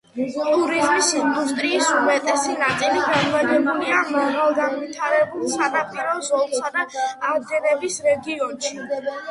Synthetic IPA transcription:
t̪ʼuɾizmismust̪ʼɾiːsumɛt̪ʼɛsinat̪sʼiliɡanmaɡɛbuliamaɣalˠɡanwit̪ʰaɾɛbulˠsanapʼiɾɔzɔlˠsad̪aːd̪ɛɾɛbisɾɛɡiɔnʃi

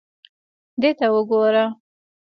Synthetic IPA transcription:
d̪et̪awəɡoɾa

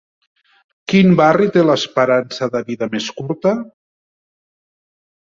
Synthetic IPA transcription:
kimbarit̪eləspəɾansəðəβiðəmeskuɾt̪ə

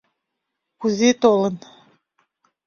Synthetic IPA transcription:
kuzet̪olə̆n

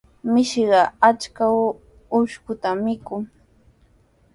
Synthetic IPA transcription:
mɪʃɢɑat͡ʃkaw | ʊʃkʊt̪amɪkʊŋ

